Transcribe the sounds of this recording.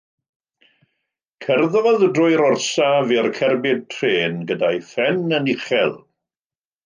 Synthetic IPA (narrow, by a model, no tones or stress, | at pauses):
kʰɛrðvɔðdrʊjɾɔrsavirkʰɛrbɪd̚tʰreːnɡədajθɛnənɪχɛlˠ